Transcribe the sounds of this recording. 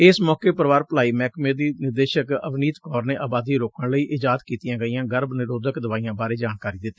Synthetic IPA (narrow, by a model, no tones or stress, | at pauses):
ɪsmɔːkeːpəɾəʋaːɾpəlaːiːmɛːkmeːd̪iːnɪɾd̪eːʃəkəʋniːt̪kɔːɾneːʔaːbaːd̪iːɾoːkəɳləiːʔɪd͡ʒaːd̪kiːt̪ijãːɡəijãːɡəɾbnɪɾoːd̪əkd̪əʋaːijãːbaːɾeːd͡ʒaːnkaːɾiːd̪ɪt̪ːiː